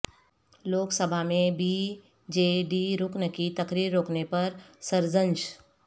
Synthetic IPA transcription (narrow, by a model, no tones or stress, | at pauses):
loːksəbʱamẽbi | d͡ʒeːɖiɾʊknəkit̪ɐkɾiːɾːoːknepɐɾsɐɾzə̃nd͡ʒ